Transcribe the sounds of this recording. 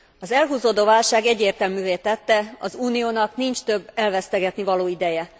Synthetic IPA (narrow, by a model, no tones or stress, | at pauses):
ɒzɛlɦuːzoːd̪oːvaːlʃaːɡɛɟːeːrt̪ɛlmyːveːt̪ɛt̪ːɛɒzuːnijoːnɒknint͡ʃt̪øbːɛlvɛst̪ɛɡɛt̪nivɒloːid̪ɛjɛ